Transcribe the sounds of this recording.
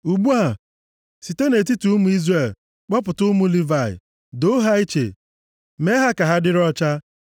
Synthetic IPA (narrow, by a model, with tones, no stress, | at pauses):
u˨ɡ͡bu˦a˨ | si˨te˦ne˨ti˦tu˨˦mu˨i˦zre˨l | k͡pɔ˦pʊ˨tʊ˦mu˦li˦va˨ɪ̰˨ | do˦ɦa˦i˦t͡ʃḛ˨ | me˦ɦa˦ka˨ɦa˦dɪ˦ɾɔ˦t͡ʃa˦